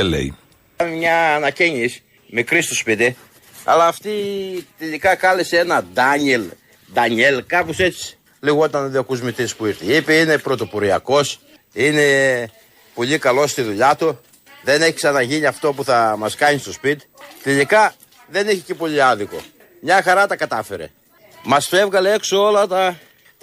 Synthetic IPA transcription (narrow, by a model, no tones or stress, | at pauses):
elḛḭ | ɐnemɲɐːnɐceɲis | mikɾist̪ospit̪i | ɐ̰lɐːft̪it̪eʎikɐkɐleseenɐd̪ɐɲel | d̪ɐɲe̞lkɐpose̞t͡si̥ | liɣot̪ɐnðiɐkuzmit̪ispuiɾθiipeine̞pɾo̞t̪o̞poɾiɐko̞s | ine̞ | po̞ʎikɐlo̞st̪iðuʎɐt̪u | ðe̞neçiksɐnɐʝiniɐft̪o̞puθɐmɐskɐɲist̪o̞spit̪i̥t̪eʎikɐ | ðe̞niçece̞po̞ʎiɐðiko̞̰ | mɲɐxɐɾɐt̪ɐkɐt̪ɐfe̞ɾḛ | mɐsfe̞vɣɐle̞eksoo̞lɐt̪ɐ